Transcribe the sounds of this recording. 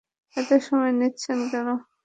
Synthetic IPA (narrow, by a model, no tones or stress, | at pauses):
ɛt̪eʃɔmɔenitːɕʰenkɛno